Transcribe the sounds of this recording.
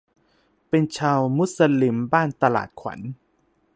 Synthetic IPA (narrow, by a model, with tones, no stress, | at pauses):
pe˧nt͡ɕʰaː˧wmu˦˥sa˧li˧mbaː˥˩nt̪a˧la̰ː˨˩t̪̚kʰwa̰˩˦n